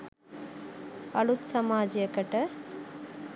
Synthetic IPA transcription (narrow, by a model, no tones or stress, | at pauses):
ɐɭut̪sɐmaːd͡ʒɐjɐkɐʈɐ